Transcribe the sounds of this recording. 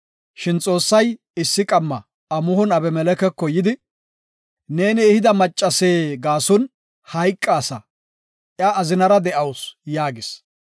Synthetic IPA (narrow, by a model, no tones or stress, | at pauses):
ʃɪnt͡sʼo̞ːsːɐj | ɪsːɪkʼɐmːɐ | ɐmʊhɔnɐbɛmɛlɛkɛkːɔjɪd̪ɪ | ne̞ːneːhɪd̪ɐmɐt͡ʃʼːɐseːɡaːsʊn | hɐjkʼːɐːsɐ | ʔjaːzɪnɐɾɐd̪ɛʔɐwsjaːɡɪs